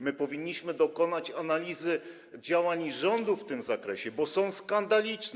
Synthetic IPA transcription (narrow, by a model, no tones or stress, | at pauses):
mɘpɔvʲiɲːiɕmɘd̪ɔkɔnat͡ɕanalʲizɘ | d͡ʑawaɲʐɔnd̪uft̪ɘmzakɾɛɕɛbɔsɔ̃w̃skand̪alʲit͡ʂn